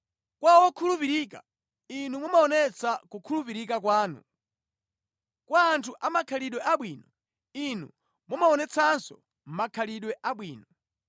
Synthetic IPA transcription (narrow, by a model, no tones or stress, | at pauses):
kwawɔkʰulupiɾiːka̰ | inumumaɔnɛt͡sʰakukʰulupiɾikakwaːnṵ | kwaːntʰuʔamakʰaliɗwɛʔaɓwiːnɔ | inṵ | mumaɔnɛt͡sʰansɔ̰ | m̩makʰaliɗwɛʔaɓwiːnɔ